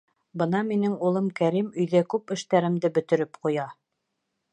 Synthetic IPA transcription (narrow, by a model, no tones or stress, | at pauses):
bɤ̆nɑminɘŋulˠɤmkæɾimɵ̆jðækʉpɘ̆ʃt̪æɾɘ̆md̪ɘbɵ̆t̪ɘ̆ɾɘpqujɑ